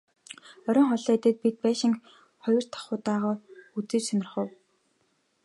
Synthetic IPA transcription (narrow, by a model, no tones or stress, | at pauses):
œɾʲɞ̆ːŋχɔɮæːt̪ɘ̆t̪̚pit̪̚pæːʃɪ̆ŋ | χɔjɞ̆r̥t̪ʰḁχʊːt̪aːʁɔːut͡sĕːt͡ɕsœnʲɪ̆rχə̆w